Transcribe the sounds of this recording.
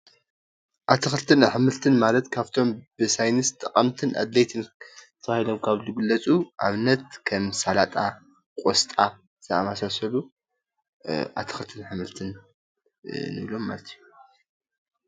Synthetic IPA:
ʔat̪ʰɨxɨlt̪ʰɨnħɨmɨlt̪ʰɨnmalɐt̪kʰaβt̪ʰo̞mbɨsajnɨst̪ʼɐqʼɐmt̪ʰɨnʔa̰d̪lejt̪ʰɨnt̪ʰːɐβahilo̞mkʰaβzɨɡɨlːɐt͡sʼuʔa̰βnɐt̪kʰɐmsalat̪ʼa | kʼost̪ʼa | zɐamasasɐlu | ʔa̰t̪ʰɨ̥xɨlt̪ʰɨnħɨmɨlt̪ʰɨn | ɨ̰βlo̞mːa̰lɐt̪ʰiju

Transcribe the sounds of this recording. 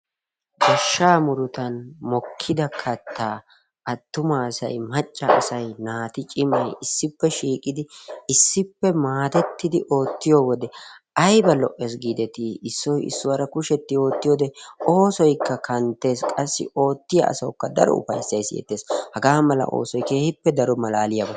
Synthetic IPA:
ɡɐʃːaːmʊɾʊt̪ɐnmɔkʰːɪd̪ɐkʰɐt̪ʰːaː | ʔɐt̪ːʊmɐːsɐ̰jmɐt͡ʃʼːɐɐ̰sɐjnaːt̪ɪt͡ʃʼɪmɐjɪsːɪpːɛʃiːkʼɪd̪ɪɪsːɪpːɛmaːt̪ɛt̪ːɪd̪ɪʔo̞ːt̪ːɪjowɔd̪ɛʔɐjbɐlɔʔe̞ːs̬ɡiːd̪ɛt̪iɪsːɔjɪ̰sːʊwɐɾɐkʊʃɛt̪ːɪo̞ːt̪ːɪjoːd̪ɛo̞ːsɔjkːɐkʰɐnt̪ːe̞ːskʼɐsːɪ̰o̞ːt̪ːɪjɐ̰ʔɐ̰sɐwʊkːɐd̪ɐ̰ɾɔ̰ʊ̰fɐ̰jsːɐjsɪ̰jɛ̰t̪ːe̞ːshɐɡaːmɐlɐ̰ʔo̞̰ːsɔjke̞ːhɪpːɛd̪ɐɾɔmɐlaːlɪjɐbɐ

